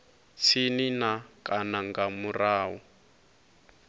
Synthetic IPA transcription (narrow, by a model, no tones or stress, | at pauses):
sʰininakʼanaŋɡamuraːwɔ